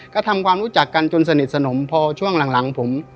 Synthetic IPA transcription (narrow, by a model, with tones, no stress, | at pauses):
kt̪ʰa˧mkʰwaː˧mɾuː˦˥t͡ɕa˨˩kːa˧nt͡ɕo˧nsa˧ni˨˩t̪̚sa˧no˩˦mpʰɔː˧t͡ɕʰu˥˩əŋla˨˩˦ŋla˩˦ŋpʰo˩˦m